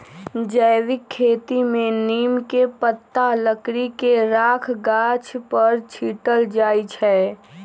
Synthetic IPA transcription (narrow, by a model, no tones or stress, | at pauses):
d͡ʒəɪʋɪkʰːeːt̪imẽniːmkepət̪ːaləkɾikeɾaːkʰɡaːt͡ʃʰpəɾt͡ʃʰiːʈəld͡ʒaːit͡ʃʰɛː